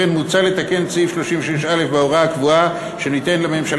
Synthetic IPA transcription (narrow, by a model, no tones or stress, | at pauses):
enmut͡sale̞t̪ake̞nt͡sifʃloʃimveʃeʃale̞fbeoʁaakvua | ʃe̞nit̪enlame̞mʃal